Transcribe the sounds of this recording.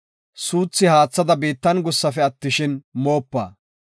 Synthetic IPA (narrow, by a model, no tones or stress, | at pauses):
suːt͡sːɪhaːt͡sːɐd̪ɐbiːt̪ːɐnɡʊsːɐfɛɐt̪ːɪʃɪnmo̞ːpːa̰ː